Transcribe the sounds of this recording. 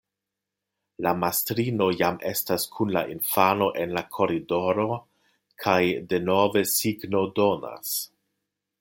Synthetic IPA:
lamastɾino̞jame̞staskʰunla̰ʔinfano̞ʔe̞nlakʰo̞ɾido̞ɾo̞ | kʰajde̞nove̞siɡno̞do̞na̰s

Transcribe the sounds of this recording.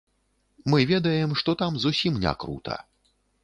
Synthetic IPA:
mɨvʲɛd̪ɐjɛmʂt̪ɔt̪amzusʲimnʲa̰kɾṵt̪ʰɐ̰

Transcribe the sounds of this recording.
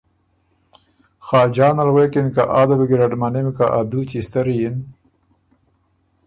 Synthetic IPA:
xɑːd͡ʒɑːnalwekinkaʔad̪abiɡiɾaʈmanemkaʔad̪ult͡ʃist̪aɾijin

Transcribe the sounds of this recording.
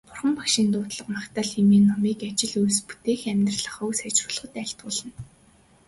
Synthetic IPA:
pʊrχə̆mpakʃiːnt̪ʊːt̪ɮə̆qmakt̪aːɮxemiːnːɔmiːkat͡ɕɪ̆ɮujspu̥t̪eːxæmʲt̪rə̆ɮə̆χɵwsæt͡ɕrʊːɮ̆ə̆t̪æːɬt̪̚ʊːɮə̆n

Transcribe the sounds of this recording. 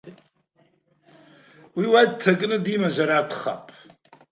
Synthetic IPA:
wiwad̚tʰakʼnɨdimazaɾaːtʷʰχa̰pʼ

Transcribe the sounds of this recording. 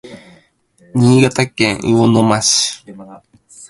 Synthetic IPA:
ɲʲiːɡat̪akẽŋɯonomaɕi̥

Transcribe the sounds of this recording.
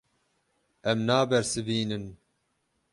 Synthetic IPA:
ɛmnaːbɛɾsɨviːnɨn

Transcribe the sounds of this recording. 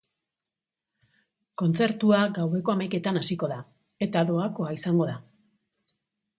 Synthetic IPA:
ko̞nt͡se̞ɾt̪uaɡawe̞ko̞amajke̞t̪anasiko̞ða | e̞t̪aðo̞ako̞aisaŋɡo̞ða

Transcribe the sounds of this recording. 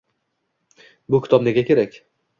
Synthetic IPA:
bʊkʲʰɪ̥t̪ʰɒbne̞ɡʲakʲe̞ɾakʲ

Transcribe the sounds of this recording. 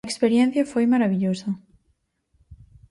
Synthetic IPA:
ekspeɾjɛ̃n̟θjɐfojmaɾaβiʎosɐ

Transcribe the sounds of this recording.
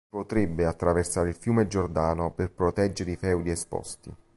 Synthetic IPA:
pot̪ɾebːeat̪ːɾaversaːɾeilfjuːmed͡ʒord̪aːnoperpɾot̪ɛd͡ʒːeɾifɛwd̪iɛspɔ̰st̪ḭ

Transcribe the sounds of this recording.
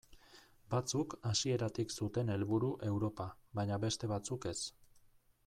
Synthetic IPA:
bat͡sukasie̞ɾat̪iksut̪e̞ne̞lβuɾuʔe̞wɾo̞paβaɲaβe̞st̪e̞βat͡suke̞s

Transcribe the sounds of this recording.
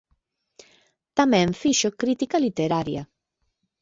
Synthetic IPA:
t̪amɛɱfiʃokɾit̪ikalit̪eɾaɾja̰

